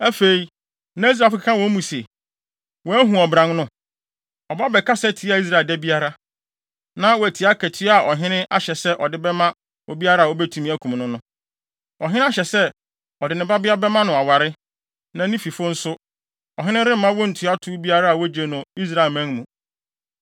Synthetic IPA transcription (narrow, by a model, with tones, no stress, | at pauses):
æ˦fe˨i˦ | nã˦i˦s̬ɾa˨fkʰa˨kʰã˦wɔ̃˦mũ˨se˨ | wɔ˨˦æ˦ɦũ˨ɔ˨bɾã˨ŋnʊ̃˦ | ɔ˨ba˦bɛ˨kʰa˦sɛ˦tʰi˨˦a˨i˦s̬ɾa˨dɛ˦bi˦a˦ɾa˦ | nã˦wɔ˨æ˨tʰi˨a˦kʰæ˨tʰɪ˦a˨ʔɔ˨ɦɪ̃˦nɪ̃˦ʔa˦ɕɛ˨sɛ˦ʔɔ˨dɪ˦bɛ˦mã˦ | ɔ˨bi˦a˦ɾa˦˨wɔ˦bɛ˦tʰu˨mĩ˦æ˦kʰũ˨mnʊ̃˦nʊ̃˦ | ɔ˨ɦɪ̃˦a˦ɕɛ˨sɛ˦ | ɔ˨dɪ˨nɪ̃˨ba˦bɪ˦a˦bɛ˦mã˦nʊ̃˨a˨wa˨ɾɪ˦ | nã˨nĩ˦fi˨fʊ˦n̩˦sʊ˦ | ɔ˨ɦɪ̃˦nɪ̃˦ɾɪ˦m̩˦mã˦wɔ˦n̩˨tʰɪ˨˦a˦tʰʊ˦bi˦a˦ɾa˦a˨wɔ˦d͡ʑe˨nʊ̃˨i˦s̬ɾa˨e˨lmæ̃˦ŋmũ˨